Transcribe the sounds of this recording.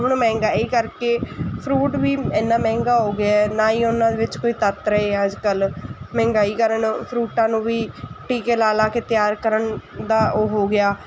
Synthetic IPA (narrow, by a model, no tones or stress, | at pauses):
ɦʊɳmɛ̃ːŋɡaːiːkəɾkeːpʰɾuːʈʋiːɛːnːãːmɛ̃ːŋɡaːɦoːɡɪaːɛːnaːiːʊnãːd̪eːʋɪt͡ʃkoːiːt̪ət̪ɾəɦeːəd͡ʒkəlmɛ̃ːŋɡaːiːkəɾənpʰɾuːʈãːnũːʋiːʈiːkeːlaːlaːkeːt̪ɪjaːɾkəɾənd̪aːoːɦoːɡɪjaː